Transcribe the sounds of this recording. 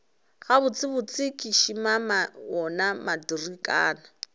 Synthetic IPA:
ɣabʊt͡sʼɪbʊt͡sʼɪkʼɪʃimamaɔnamadirikʼa̰ːna

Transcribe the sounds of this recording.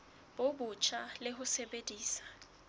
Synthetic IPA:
bobʊt͡ʃʰalɪɦʊsebediːsḁ

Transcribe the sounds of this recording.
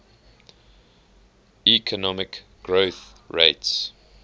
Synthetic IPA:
ikʰənɔmɪk | ɡ̥ɹoθ | ɹḛɪts

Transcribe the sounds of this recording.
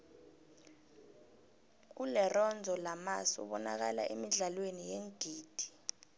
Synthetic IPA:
k̬ulɛrɔnd͡zʱɔlamasṵɓɔnak̬ala̰ʔemiɮalwenijeŋɡ̥ʱiːd̥ʱi̥

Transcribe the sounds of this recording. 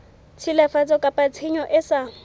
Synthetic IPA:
t͡sʰilafat͡sʼɔkʼapʼat͡sʰiɲɔʔɪsa

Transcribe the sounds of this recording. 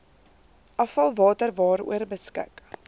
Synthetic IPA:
ʔɐfɐlˠvɑːtərvɑːɾṵərbəskə̰k

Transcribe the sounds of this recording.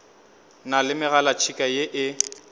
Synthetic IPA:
nalɪmɪɣalat͡ʃʰikʼajeʔɪ

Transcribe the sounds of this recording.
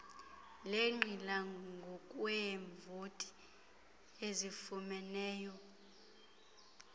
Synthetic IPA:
leŋ͡ǃʱilaŋɡʱɔkʼwɛɱvotʼi̥ | ezifumɛnɛːjɔ

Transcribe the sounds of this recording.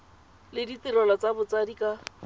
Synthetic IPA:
lɪdit̪iɾɔlɔt͡sabʊt͡sadikʼa

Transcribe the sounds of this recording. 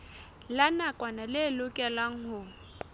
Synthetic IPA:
lanakʼwanalɪlʊkʼɛlaŋ̩hʊ

